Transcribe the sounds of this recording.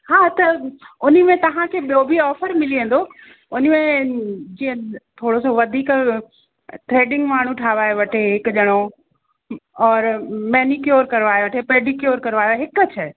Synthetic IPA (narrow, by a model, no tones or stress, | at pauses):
haːt̪ɐʊnimẽt̪ɐɦãkʰeɓijobʱiɔːfəɾmɪliẽːn̆d̪o | ʊnmẽd͡ʒiːə̃t̪ʰoːɽosoʋɐd̪ʱiːk | t̪ʰɾeːɖɪ̃ŋɡmaːɳ̤ũʈʰaːʋaːjoʋɐʈʰeɦɪkʄɐɽ̃o | ɔːɾmɛːnikjoːɾkɐɾʋaːjʋɐʈʰepeːɖikjoːɾkɐɾʋaːjoɦɪkət͡ʃʰə